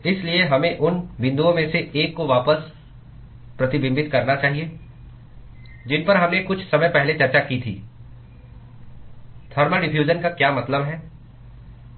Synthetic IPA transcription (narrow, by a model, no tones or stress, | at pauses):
ɪslieɦɐmẽʔʊnʋɪ̃nd̪uõmẽseeːkːoʋaːpəs | pɾɐt̪ɪbɪ̃mbɪt̪kɐɾnat͡ʃaːɦie | d͡ʒɪnpɐɾɦɐmnẽkʊt͡ʃʰsɐməjpɛɦlet͡ʃɐɾt͡ʃakit̪ʰḭː | t̪ʰɐːɾmaɖɪfʰjuːd͡ʒənkakjaːmɐt̪ləbɦɛː